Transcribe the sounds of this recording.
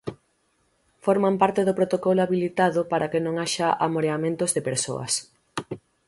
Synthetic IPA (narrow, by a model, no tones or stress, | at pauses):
foɾmampaɾt̪eðʊpɾot̪okɔlʊaβilit̪aðʊpaɾʔakɪnõŋaʃaʔamoɾeamẽnt̪ʊzðepeɾso̰ɐ̰s